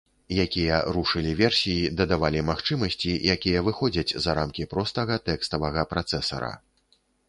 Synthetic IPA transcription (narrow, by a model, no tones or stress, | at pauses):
jakʲijɐɾuʂɨlʲivʲɛrsʲijid̪ɐd̪avalʲimaxt͡ʂɨmɐsʲt͡sʲijakʲijɐvɨxɔd͡zʲɐt͡sʲzɐɾamkʲipɾɔst̪ɐɣɐt̪ɛkst̪ɐvɐɣɐpɾat̪sɛsɐ̰ɾɐ̰